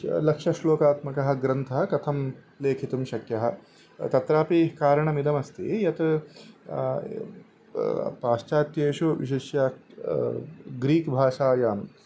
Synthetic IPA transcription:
lɐkʂɐʃloːkaːt̪mɐkɐɦɐ̆ɡɾɐnt̪ʰɐɦɐ̆kɐt̪ʰɐm | leːkʰit̪umʃɐkjɐɦɐ̆ | t̪ɐt̪ɾaːpikaːɾɐɳɐmid̪ɐmɐst̪ḭjɐt̪ | paːʃt͡ʃaːt̪jeːʃoʋḭʃeʃjaː | ɡɾiːkbʱaːʂaːjaːm

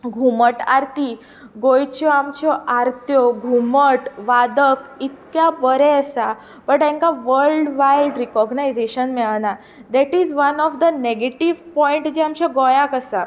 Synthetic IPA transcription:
ɡʱuməʈa̰ɾt̪i | ɡojt͡ɕjɔamt͡ɕjɔʔaɾt̪jɔɡʱuməʈʋad̪əkit̪̚kjabəɾɛəsa | pəɳʈɛ̃ŋkaʋəɾɭɖʋajlɖɾikɔɡnajzeɕənmɛʋana | d̪ɛʈizʋənɔfd̪əneɡeʈiʋpɔiɳʈd͡ʑeamt͡ɕaɡɔjãkəsa

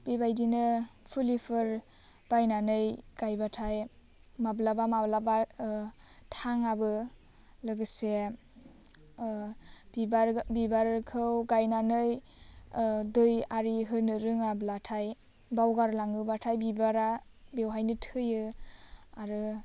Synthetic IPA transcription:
bibajdinɯpʰulipʰɯɾ | b̥ajnanɯjɡ̥ajbatʰaj | mablabamablaba | tʰaŋabɯ | lɯɡɯse | bibaɾbibaɾkʰɯwɡajnanɯj | dɯjaɾiɦɯnɯɾɯŋablatʰaj | bawɡaɾlaŋɯbatʰajbibaɾabewɦajnɯtʰɯjɯ | aɾɯ

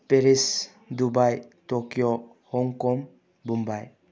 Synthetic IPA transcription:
peɾis | dubajtɔkjɔ | hɔŋkɔm | bumbaj

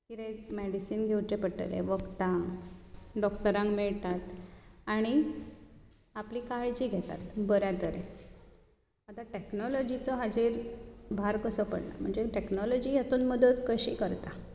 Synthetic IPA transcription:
kit̪emeɖisiːnɡʱewt͡ɕepəʈə̰lḛʋəɡt̪ã | ɖɔkʈəɾãŋkmiɭt̪at̪aɽ̃i | apliːkaɭd͡ʑiːɡʱet̪a̰t̪bəɾjãt̪əɾe | at̪aʈeknɔlɔd͡ʑit͡sɔɦad͡ʑiɾbʱaɾkəsɔpə̰ɽna̰m̤əɳd͡zeʈeknɔlɔd͡ʑijet̪uːnməd̪əd̪kəɕḭːkəɾt̪a

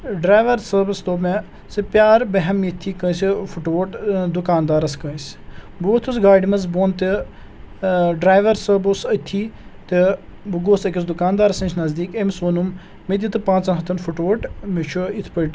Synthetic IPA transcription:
ɖɾaːjʋɐɾsəbisd̪oːme | sɨpjaːɾbɐɦɛmːit̪ʰːiːkə̃ːsifuʈoʈd̪ukaːnd̪aːɾɐskə̃nsʲ | but̪ʰusɡaːɖimɐzboːnt̪e | ɖɾaːjʋɐɾsəbusɐt̪ʰːiːt̪ebuɡoːsɐkʲisd̪ukaːnd̪aːɾɐsɐ̃t͡ʃʰnɐzd̪iːkemsoːnum | med̪ʲit̪ɨpãːt͡sɐ̃ɦɐt̪ʰɐnfuʈoʋoʈmet͡ʃʰuit̪ʰpəʈ

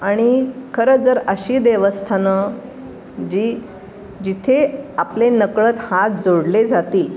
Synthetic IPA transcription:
aɽ̃ikʰəɾəd͡zəɾəɕiːd̪eʋəst̪ʰanə | d͡ʑiː | d͡ʑit̪ʰeaplenəkɭət̪hat̪̚d͡zoɽled͡zat̪iː

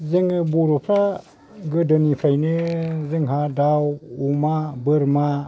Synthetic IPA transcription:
zɯŋɯbuɾopʰɾa | ɡɯdɯnipʰɾajnɯzɯŋɦadawumabɯɾma

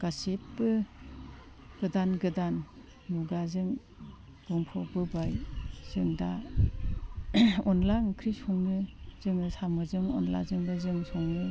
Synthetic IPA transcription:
ɡ̥asetbɯ | ɡ̥ɯdanɡɯdanː | uɡazɯŋ | d̥ɔŋpʰɔbɯbajz̥ɯŋda | ɔnlaŋkʰɾisɔŋnɯz̥ɯŋɯsamɯzɯŋɔ̰nla̰zɯŋbɯzɯŋsɔŋnɯ

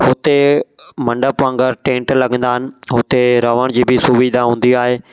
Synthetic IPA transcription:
hʊt̪emɐ̃ɳɖəpʋãːŋɡəɾʈẽːɳʈlɐɡə̃nd̪aːɦɪnɪ̆ɦʊt̪eɾəʋəɽ̃d͡ʑiːbɪsuʋiːd̪ʱaɦũːn̆d̪iaːɦeː

